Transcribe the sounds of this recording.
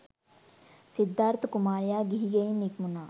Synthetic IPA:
sid̪ːaːɾt̪ʰkumaːɾjaːɡiiɡeinikmunaː

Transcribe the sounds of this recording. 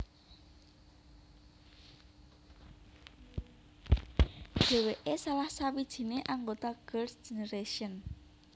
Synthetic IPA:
ɖ̥e̤weʔesalahsawid̥ʒ̥i̤neʔaŋɡot̪aɡ̥ərsʒ̥eneɾeʃiən

